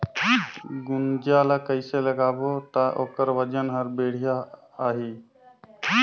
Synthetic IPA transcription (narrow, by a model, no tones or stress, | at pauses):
ɡund͡ʒalakəɪseləɡabot̪aʔoːkəɾʋəd͡ʒənɦəɾbeɽ̤ijaː | ɦi